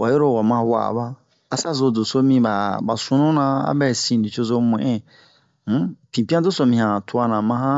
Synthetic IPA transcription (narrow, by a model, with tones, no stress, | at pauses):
wa˨jo˦ɾo˦˨wa˨mã˦wa̰˨ba˦ | a˨sa˦zo˨d͡zo˨so˦mĩ˧ba˨ba˨sũ˦nũ˦nã˧a̰˦bɛ˨sĩ˨di˨t͡ʃo˦zo˦mũ˨ʔɛ̃˦ | pĩ˨pi˦ã˦d͡zo˦so˨mĩ˨hã˨tu˦a˦nã˨mã˧ɦã˦